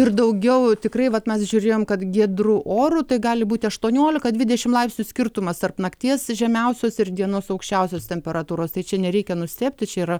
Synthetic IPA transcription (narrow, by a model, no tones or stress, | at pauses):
ɪrd̪ɐʊɡʲɛʊt̪ʲɪkrɐɪʋɐt̪mʲɛsʒʲuːɾʲeːjoːmkɐt̪ɡʲiɛd̪ɾuʔoːɾut̪ɐɪɡɑːlʲɪbuːt̪ʲɪɐʃt̪uɔnʲoːlʲɪkɐd̪ʲʋʲɪd̪ʲɛʃʲɪmlˠɐɪpsʲnʲʊsʲkʲɪrt̪ʊmɐst̪ɐrpnɐkt̪ʲiɛsʒʲɛmʲɛʊsʲoːsɪrd̪ʲiɛnoːsɐʊkʃʲt͡ʃʲɛʊsʲoːst̪ʲɛmʲpʲɛɾɐt̪uːɾoːst̪ɐɪt͡ʃʲɛnʲɛɾʲɛɪkʲɛnʊsʲt̪ʲeːpʲt̪ʲɪt͡ʃʲɛiːɾɐ